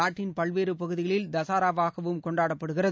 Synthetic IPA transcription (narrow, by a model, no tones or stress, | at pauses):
aːʈːɪnpɐɭʋeːɾɯpɐɣɯðɪɣɐɭɪld̪ɐsaːɾaːʋaːɣɐʋɯmkɔɳɖaːɽɐpːɐɽɯɣɪrɐ